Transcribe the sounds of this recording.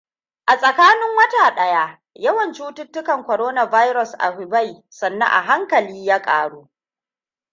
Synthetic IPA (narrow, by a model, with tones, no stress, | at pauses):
ʔa˨sʼɐ˨kaː˦nɪ˦ŋwɐ˦taː˨ɗɐ˦ja˦ | jɐ˦wɐ˨nt͡ʃuː˦tʊ˦tːʊ˦kɐ˨ŋkʷɔ˨ɾoː˦na˦vaː˦jɾɔ˨sʔa̰˨hʊ˨ba˦˨j | sɐ˨nːɐ̰˦ʔa̰˨ɦa˦ŋkɐ˨liː˦jaː˦kʼa̰ː˨ɽuː˦